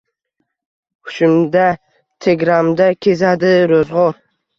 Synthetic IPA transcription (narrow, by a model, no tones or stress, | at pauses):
ʊ̥ʃɪmd̪a | t̪ʰeɡɾamd̪akʲʰezad̪ɪɾozʁɒɾ